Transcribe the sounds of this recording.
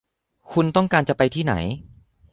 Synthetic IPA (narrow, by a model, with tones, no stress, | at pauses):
kʰu˧nt̪ɔ˥˩ŋkaː˧nt͡ɕa˨˩pa˧jt̪ʰiː˥˩na̰˩˦j